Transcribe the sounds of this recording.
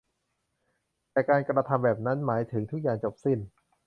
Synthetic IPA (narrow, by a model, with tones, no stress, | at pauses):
t̪ɛː˨˩kaː˧nkɾa˧t̪ʰa˧mbɛː˨˩p̚na˦˥nmaː˩˦jt̪ʰɯ˩˦ŋt̪ʰu˦˥k̚jaː˨˩ŋt͡ɕo˨˩p̚si˥˩n